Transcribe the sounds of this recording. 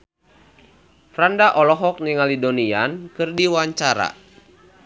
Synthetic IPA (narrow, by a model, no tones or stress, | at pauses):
fɾandaʔɔlɔɦɔk̚niŋalidoniankɨrdiwaɲt͡ʃaɾa̰